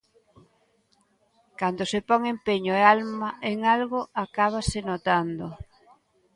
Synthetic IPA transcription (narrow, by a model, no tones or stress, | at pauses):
kand̪osepɔŋempeɲoealmaeŋalɣoakaβ̞asenot̪and̪o